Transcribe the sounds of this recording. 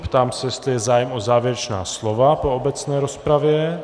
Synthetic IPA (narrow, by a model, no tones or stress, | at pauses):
pt̪aːmsɛjɛst̪lɪjɛzaːjɛmozaːvjɛɾɛt͡ʃna̰ːslovapo̞obɛt͡snɛːɾospɾavjɛ